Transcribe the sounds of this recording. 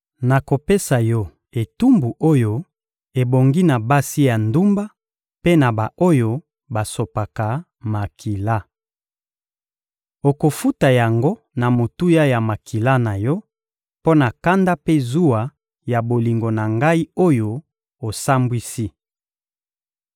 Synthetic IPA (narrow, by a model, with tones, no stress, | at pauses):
na˨ko˨pe˦sa˨jɔ˦ | e˨tu˦mbu˨ʔo˦jo˦ | e˨bo˨ŋɡi˦na˨ba˦si˦ja˨ndu˦mba˦ | pe˦na˨ba˨ʔo˦jo˦ | ba˨so˨pa˨ka˨ | ma˨ki˨la˦ | o˨ko˨fu˦ta˨ja˨ŋɡo˦ | na˨mo˨tu˦ja˦ja˨ma˨kʰi˨la˦na˨jɔ˦ | po˦na˨ka˦nda˦pe˦zu˦a˨ | ja˨bo˨li˨ŋɡo˨na˨ŋɡa˦i˦o˦jo˦ | o˨sa˦mbwi˦si˦